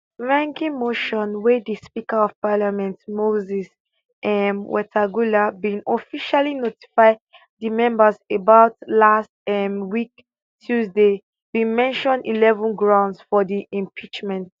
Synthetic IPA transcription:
ɹãŋɡĩmoʃɔ̃nwɛdispikəɔv̥palamɛ̃ntmozis | ʔɛnwʔɛtʰaɡulabĩnɔfiʃalinoti̥faɪ | dimɛ̃mbəsebaʊtlastɛmwik | tʰjuzde | bĩnmɛ̃nʃɔ̃ndilɛvɔ̃nɡɹãʊ̃ndsfɔdiʔĩmpʰit͡ʃmɛ̃nt

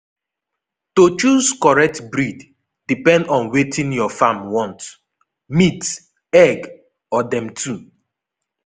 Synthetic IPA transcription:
tot͡ʃuzkɔɹɛk̚tbɹid | dipɛ̃ndɔ̃nwetʰĩnjɔfamwɔ̃nt | mit | ɛɡ | ɔdɛ̃mtʰu

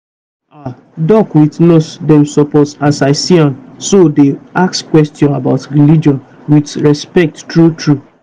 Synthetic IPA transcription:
a | dɔkwitnotdɛ̃msɔpɔtasaɪsiãmsodeakskwɛstjɔ̃nabaʊtɹilid͡ʒɔ̃n | witɹɛspɛk̚ttɹutɹu

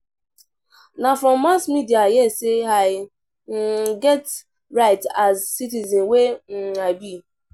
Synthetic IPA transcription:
nafɔmːasmidiajɛsɪɦaɪ | ŋ̩ɡɛt | ɾaɪtazsitizinweŋ̩abi

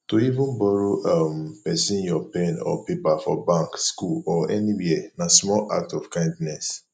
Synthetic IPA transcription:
toivũnbɔɾoʔampɛsĩnjɔpẽnɔ̰pepafɔbãŋkskulɔɛniwiɛnasmɔlʔa̰k̚tɔfkãɪ̃ndnɛs

